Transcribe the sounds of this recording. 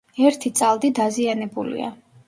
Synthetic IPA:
ɛɾt̪ʰit̪sʼalˠd̪id̪azianɛbulḭa̰

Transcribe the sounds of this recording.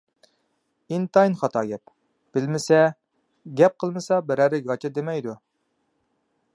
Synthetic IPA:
int̪ɑjnχɑt̪ʰɑːɡʲɛp | b̥ɪlmɪsɛ | ɡʲɛp̚qʰəlˠmɨsɑbɪɾæɾɪɡɑt͡ʃʰɑd̪emɛjd̪u

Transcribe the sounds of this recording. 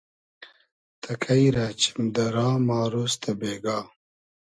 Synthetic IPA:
t̪ʰɐkʰajɾaːt͡ʃʰi̥md̪aɾɑːmɑːɾust̪abeːɡaː

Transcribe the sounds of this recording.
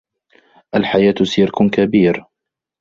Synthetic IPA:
ʔalħajaːt̪siːɾkʊkabiːɾ

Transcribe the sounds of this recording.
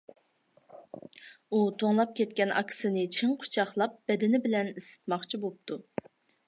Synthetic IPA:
ut̪ʰoŋlˠɑp̚kʲʰɛt̪̚kʲɛnʔɑ̰kʲʰɪ̥sɨnɨt͡ʃʰɪŋqʰʊ̥t͡ʃʰɑχlˠɑp̚b̥ɛd̪ɪnɪbɪlɛnɪsɪ̥t̪mɑχt͡ʃʰibop̚t̪ʰu

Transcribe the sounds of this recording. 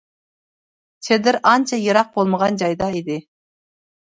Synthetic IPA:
t͡ʃʰed̪ɪɾɑnt͡ʃʰɑjɨɾɑq̚bolˠməʁɑnd͡ʒɑjd̪ɑid̪ɪ

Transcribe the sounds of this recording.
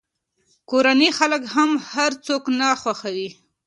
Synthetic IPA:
koɾanexaləkɦamhaɾt͡soknaxwaxawi

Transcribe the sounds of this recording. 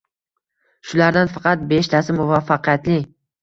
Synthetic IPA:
ʃʊlaɾd̪anfɑqɑt̪̚be̞ʃt̪ʰasɪmʊvafːɑqʰɨjat̪lɪ

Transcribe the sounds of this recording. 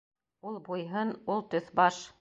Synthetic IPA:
ulˠbujɦɤnulˠt̪ɵθbɑʃ

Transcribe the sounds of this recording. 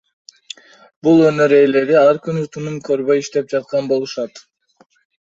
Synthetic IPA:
bulˠø̞nø̞ɾe̞jle̞d̪iɑlˠɑɾkynyt̪ʰunumkʰø̞ɾβbø̞jiʃt̪e̞p̚d͡ʒɑt̪̚qɑnbo̞lˠuʃɑt̪

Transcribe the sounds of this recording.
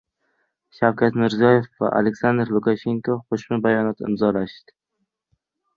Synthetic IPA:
ʃawkʰʲat̪mɪɾzijɒje̞fva̰ʔa̰lekʲsand̪ɾlˠʊkaʃeŋkʰoqʰoʃmʊbajɒnat̪ɪ̰mzɒlaʃd̪ɪ̥

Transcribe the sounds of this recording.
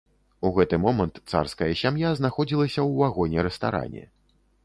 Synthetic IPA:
uɣɛt̪ɨmɔmɐnt̪t̪sa̰rskɐjɐsʲamjaznaxɔd͡zʲilˠɐsʲɐwvaɣɔnʲɛɾɛst̪a̰ɾa̰nʲɛ̰

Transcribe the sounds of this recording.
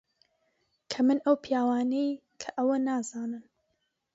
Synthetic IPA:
kʰɐmɨnʔɐwpʰijaːwaːnej | kʰɐ̥ʔɐwɐnaːz̥aːnɨm

